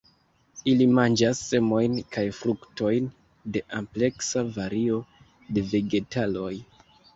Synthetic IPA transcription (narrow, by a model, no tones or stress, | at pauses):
ilimand͡ʒasːe̞mo̞jnkajfɾukto̞jn | de̞ʔample̞ksavaɾio̞ | de̞ve̞ɡe̞talo̞j